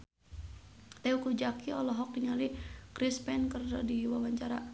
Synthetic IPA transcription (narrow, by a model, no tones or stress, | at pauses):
t̪ɛukud͡ʒakiɔlɔɦɔk̚diŋalikɾispɛnkərdɔdiwawaɲt͡ʃaɾa